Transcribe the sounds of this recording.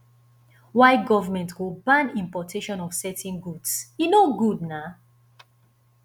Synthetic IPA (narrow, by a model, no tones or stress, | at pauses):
waɪɡɔvəmɛ̃ntwubãnĩmpɔtʰeʃɔ̃nɔv̥sɛtĩnɡudsjinoɡud̚na